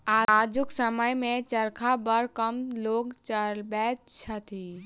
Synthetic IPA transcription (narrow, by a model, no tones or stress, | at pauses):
aːaːd͡ʒʊksəməjmẽt͡ʃəɾkʰabəɾkəmloːɡt͡ʃəɾbɛːtt͡ʃʰɐt̪ʰiː